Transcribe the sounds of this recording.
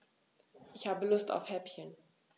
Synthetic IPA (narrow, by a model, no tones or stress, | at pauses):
ʔɪçhaːbəlʊsta̰ʊfhɛpçən